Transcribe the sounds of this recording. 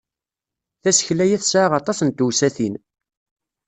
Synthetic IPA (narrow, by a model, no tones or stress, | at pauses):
θæsə̥çlæjæθsʕaʁɑt̪ˤɑsənt̪uwsæθin